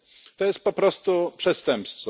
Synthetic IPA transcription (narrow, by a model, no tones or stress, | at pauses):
t̪ɔjɛst̪̚pɔpɾɔst̪upʂɛst̪ɛmpst̪fɔ